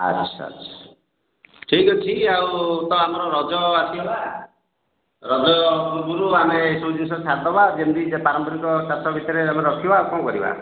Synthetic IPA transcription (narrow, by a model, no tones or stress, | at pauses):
a̰d͡ʒt͡ʃʰa̰t͡ʃʰɔ̥ | ʈʰikɔt͡ʃʰiawt̪ɔamɔɾɔɾɔd͡ʒɔasiba | ɾɔd͡ʒɔɡuɾuamesõd͡ʒinsɔsʰaɾd̪ɔbad͡ʒemd̪id͡ʒepaɾɔmpɔɾikɔsasɔbʱit̪ɔɾeameɾɔkʰibawkɔ̃kɔɾiba̰